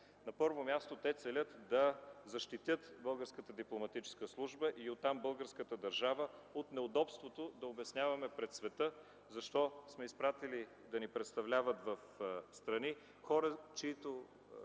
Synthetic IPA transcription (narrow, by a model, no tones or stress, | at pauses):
nɐpɤɾvomʲjast̪ot̪ɛt̪sɛlʲət̪d̪ɐzɐʃt̪it̪ʲjət̪bɤlˠɡəɾskət̪əd̪iplˠomɐt̪it͡ʃɛ̥skəslˠuʒbəʔiot̪t̪ːambɤlˠɡəɾskət̪əd̪ɐɾʒavəot̪nɛod̪ɔpst̪vot̪od̪ɐobɛsnʲavɐmɛpɾɛt̪svɛt̪ə | zɐʃt̪ɔsmɛispɾat̪ili | d̪ɐnipɾɛt̪st̪ɐvlʲavət̪vɐfst̪ɾɐni | xɔɾət͡ʃɛit̪o